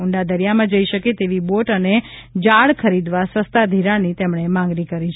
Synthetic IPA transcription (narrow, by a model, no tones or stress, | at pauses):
uɳɖad̪əɾjamãd͡ʒəiʃəket̪eʋiboʈəned͡ʒaɭkʰəɾid̪ʋasəst̪ad̪ʱiɾanit̪emɳ̃emãŋɡɾikəɾit͡ʃʰ